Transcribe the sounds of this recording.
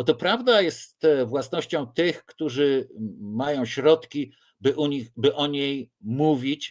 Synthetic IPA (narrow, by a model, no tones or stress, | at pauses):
ɔt̪ɔpɾavd̪ajɛst̪vwasnɔɕt͡ɕɔ̃w̃t̪ɘxkt̪uʐɘmajɔ̃w̃ɕɾɔt̪kʲi | bɘʔuɲixbɘʔɔɲejmuvʲit͡ɕ